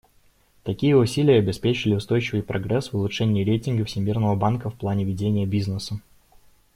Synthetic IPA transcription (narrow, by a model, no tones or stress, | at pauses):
t̪ɐkʲijəʊsʲilʲɪjəɐbʲɪspʲet͡ɕɪlʲɪʊst̪o̞jt͡ɕɪvɨjpɾʔɐɡɾɛsvʊlˠʊʂɛnʲɪːɾʲejtʲɪnɡəfsʲɪmʲirnəvəbankəfplˠanʲɪvʲɪdʲenʲɪjəbʲiznəsə